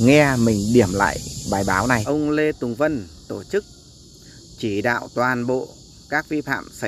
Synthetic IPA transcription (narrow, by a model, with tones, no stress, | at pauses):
ŋɛ˧mï˨˩ŋ̟ɗi˧˩əmla̰ː˧˨jɓaː˨˩jɓaː˨˦wna˨˩jʔə˧wŋ͡mle˧t̪ʊ˨˩ŋ͡mvə˧nt̪o˧˩t͡ɕɨ˦˥k̚ | t͡ɕi˧˩ɗa̰ː˧˨wt̪waː˨˩nɓo̰˧˨ | kaː˦˥k̚vi˧fa̰ː˧˨msa˧˦